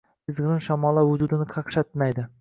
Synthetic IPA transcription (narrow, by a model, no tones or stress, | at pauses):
ɪzʁɾɪnʃamɒlˠavʊd͡ʒ̪ud̪ɪnɪqʰɑqʃat̪̚majd̪ɪ